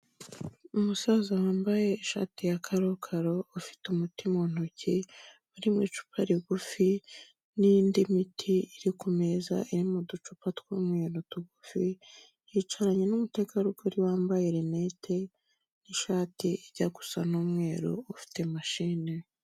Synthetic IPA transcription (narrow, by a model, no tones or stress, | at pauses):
umusaːzawaːmbaje̞ːʃa̰ːtijakʰaɾokʰaɾo̞ːfi̥tumutimon̥oci | uɾimŋiːt͡ʃu̥pʰaɾiɡufi | nindimitʰiːɾikume̞za̰iɾimudut͡ʃupatkwuːmŋe̞ːɾotuɡufi | jit͡ʃaɾaɲe̞numute̞kaɾuɡoɾiwaːmbajiɾenetʰe | niʃaːtiiɟ̥aɡu̥sanuːmŋe̞ːɾo̰ːfi̥te̞maʃiːne